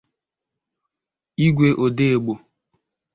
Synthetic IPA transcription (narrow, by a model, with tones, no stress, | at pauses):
i˦ɡʷe˦ʔo˨de˦e˨ɡ͡bo˨